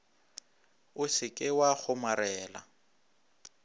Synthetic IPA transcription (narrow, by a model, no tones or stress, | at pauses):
ʊsɪkʼɪwaɣʊmaɾɛːla̰